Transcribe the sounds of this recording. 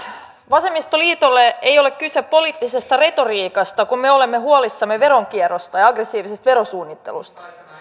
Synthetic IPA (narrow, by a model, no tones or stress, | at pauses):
ʋɑsemːist̪oliːt̪olːeejo̞lekkyseppo̞liːt̪ːisest̪ɑre̞t̪o̞riːkɑst̪ɑkummeo̞lemːehuolisːɑmːeʋe̞ɾoŋkiɛrost̪ɑjɑɡresːiːʋisest̪ʋe̞ɾosuːnːit̪ːḛlust̪ɑ̥